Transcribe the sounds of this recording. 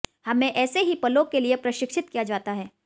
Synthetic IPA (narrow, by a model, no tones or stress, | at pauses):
hɐmẽʔɛːseɦipɐlokeliepɾɐʃɪkʃʰɪt̪kijad͡ʒaːt̪aɦɛː